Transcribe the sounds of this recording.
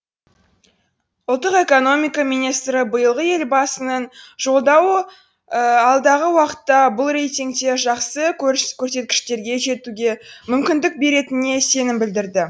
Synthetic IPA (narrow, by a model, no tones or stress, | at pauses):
ʊlˠt̪ːəqe̞ko̞no̞mʲijkɑmijnijst̪ɾəbəjəlˠʁəje̞lbɑsənənʒ̥o̞lˠd̪ɑw | əɑlˠd̪ɑʁəwɑqə̥t̪ːɑbʊlˠrejt̪ʲiŋk̚t̪e̞ʒɑqsəkʲʰɵɾkʲʰɵɾs̬e̞t̪kʲɪ̥ʃt̪e̞ɾɡʲe̞ʒe̞t̪uɡʲe̞mʏmkʲɪnd̪ɪk̚be̞ɾe̞t̪ɪne̞se̞nɪmbɪld̪ɪɾd̪ɪ